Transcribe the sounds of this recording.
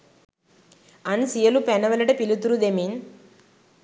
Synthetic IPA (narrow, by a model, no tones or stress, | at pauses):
ɐnsijɐlupɛnːɐʋɐlɐʈɐpilut̪uɾud̪emin